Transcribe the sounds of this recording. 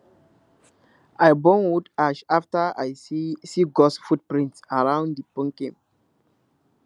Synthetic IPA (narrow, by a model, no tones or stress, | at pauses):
aɪbɔ̃nwudaʃaftaa̰ɪsiɡɔsfut̚pɹĩntsaɹãʊ̃ndipɔ̃ŋkĩm